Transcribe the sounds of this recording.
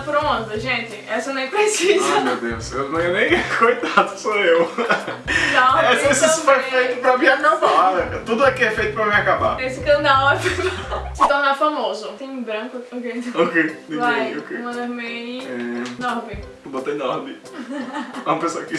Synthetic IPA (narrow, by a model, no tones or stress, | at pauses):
pɾõɐ̃zɐʒẽt̪ɪɛsɐnɐ̃w̃ɛpɾesizɐmewd̪ewsewnɐ̃w̃ɛnẽj̃kojt̪ad̪ʊsoew | nɐ̃ɛsessupeɾfejt̪ʊpɾaviamɐpaalɐ̃kɐt̪ud̪ʊɛkɪɛfejt̪ʊpɾɐmiakaba̰esɪkɐ̃d̪awɛvisɪt̪oɾnafamozʊt̪ẽj̃bɾɐ̃kʊokej̪okejnẽvajokemɐ̃d̪oɾmẽniɛnɔɾmɪ | bot̪ejnɔɾmɪ | ɛũɐpesoɐkɪ